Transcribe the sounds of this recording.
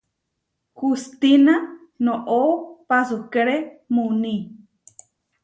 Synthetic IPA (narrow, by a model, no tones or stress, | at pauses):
hust̪ina | nõʔopasukeɾemunĩ